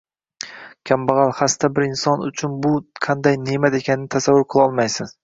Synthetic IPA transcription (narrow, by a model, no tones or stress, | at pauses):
kʲʰambɑʁɑlˠhast̪ʰabɪɾɪnsɒnʊ̰t͡ʃʰʊnbʊqʰɑnd̪ajnemat̪e̞kʲʰanɪnɪt̪ʰasavːʊɾqʰɨlˠɒlˠmajsɪn